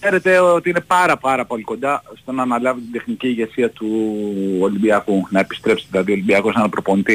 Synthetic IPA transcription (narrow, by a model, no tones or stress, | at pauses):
se̞ɾe̞t̪e̞ot̪iine̞pɐɾɐpɐɾɐpo̞liko̞nd̪ɐost̪o̞nɐːnɐlɐvit̪ind̪e̞xniciːʝe̞siɐt̪u | o̞limbiɐkunɐe̞pi̥st̪ɾe̞psi̥ðilɐðio̞limbiɐkosnɐnɐpɾo̞po̞nit̪i